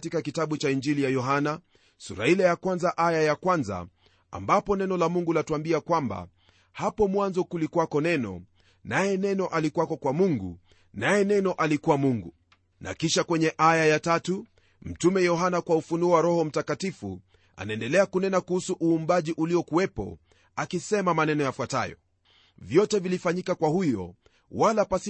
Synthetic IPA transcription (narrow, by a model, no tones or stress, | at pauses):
tikakitaɓut͡ʃaind͡ʒilijajɔɦana | sṵɾailajakwanzaʔajajakwanza̰ | a̰mbapɔnɛnɔlamuŋɡulatuambiakwamba̰ | hapɔmwanzɔkulikwakɔnɛnɔ̰ | najɛnɛnɔʔalikwakɔkwamuŋɡṵ | najɛnɛnɔʔalikuwamuŋɡu | nʔa̰kiʃakwɛɲɛʔajajatatu | m̩tumɛjɔɦanakwaufunuɔwaɾɔhɔm̩takatifṵ | a̰naɛndɛlɛakunɛnakuhusuʔuːmbaʄiʔuliɔkuwɛpɔ̰ | akisɛmamanɛnɔjafwata̰jɔ̰ | vjɔtɛvilifaɲikakwahujɔ̰ | walapasi